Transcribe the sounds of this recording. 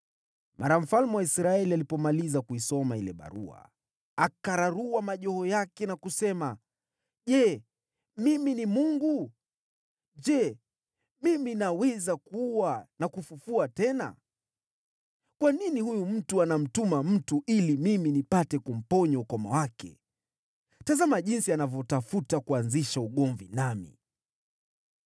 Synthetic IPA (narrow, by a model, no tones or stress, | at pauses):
mʔaɾam̩falmuwaisɾaɛlialipɔmalizakuisɔmailɛ̰ɓa̰ɾṵa̰ | akaɾaɾuwamaʄɔhɔjakɛnakusɛma | ʄɛ | miminimuŋɡu | ʄɛ | miminawɛzakuwanakufufuatɛna̰ | kwaninihujum̩tuanam̩tumam̩tuʔilimiminipatɛkum̩pɔɲɔukɔma̰wakɛ̰ | tazamaʄinsianavjɔtafutakuanziʃauɠɔɱvḭnamḭ